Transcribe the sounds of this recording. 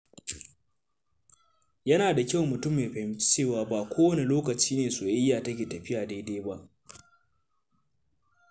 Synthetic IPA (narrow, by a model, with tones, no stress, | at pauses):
jɐ˦naː˨da˨kʲa˦wmʊ˨tʊ˦mːeː˨ɸɛ˨m˦t͡ʃeː˦˨waː˦baː˨kʷoː˦wɐ˦ne˦loː˦kɐ˨t͡ʃiː˦neː˨soː˨ʔɪ˦jːaː˨tɐ˦kʲeː˨tɐ˨ɸɪ˦jaː˨deː˦deː˦ba˦ʔ